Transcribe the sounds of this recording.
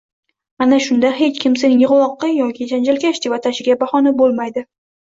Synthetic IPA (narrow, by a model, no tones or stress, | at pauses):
anaʃʊnd̪aɦe̞t͡ʃkʲʰɪmsenjɨʁlˠɒqːɑjɒkʲʰɪd͡ʒand͡ʒalkʲaʃt̪ɪvat̪ʰaʃɪɡʲabahɒnabolˠmajd̪ɪ